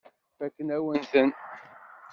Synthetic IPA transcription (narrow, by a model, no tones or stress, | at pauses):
ækːənæwənθən